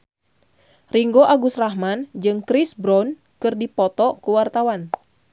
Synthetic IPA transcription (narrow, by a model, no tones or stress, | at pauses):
riŋɡoʔaɡusrahɦmand͡ʒɨŋkɾisbɾɔn | kɨrdipɔt̪ɔkuwart̪awan